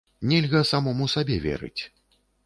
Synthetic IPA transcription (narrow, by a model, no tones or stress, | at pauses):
nʲɛlʲɣɐsamɔmusabʲɛvʲɛ̰ɾɨ̰t͡sʲ